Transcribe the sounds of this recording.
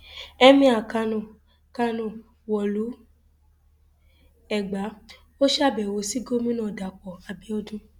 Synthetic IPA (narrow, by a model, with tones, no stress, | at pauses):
ɛ˧mĩ˧˦a˨ka˧nũ˨ | ka˧nũ˨ | wɔ˨lu˨˦ | ɛ˨ɡ͡ba˨˦ | o˦ʃa˦˨bɛ˨wo˧˦si˨˦ɡo˦mĩ˦nãː˦˨da˨k͡pɔ˨a˧bi˦ɔ˦dũ˦